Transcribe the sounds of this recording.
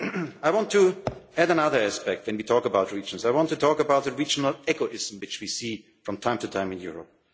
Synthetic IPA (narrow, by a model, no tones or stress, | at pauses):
aɪwɑ̃ntʰuæɾənʌðə˞æspɛk̚t̚wɛ̃nwitʰɔkəbaʊt̚ɹid͡ʒə̃nsaɪwɑ̃ntɨtʰɔkəbaʊt̪̚ðɨɹid͡ʒənəl̩ˠɛɡoʔɪz̃m̩wɨt͡ʃwisi | fɹʌ̃mtʰãɪ̃mtʰɨtʰãɪ̃mɨ̃njʊɹə̰p̚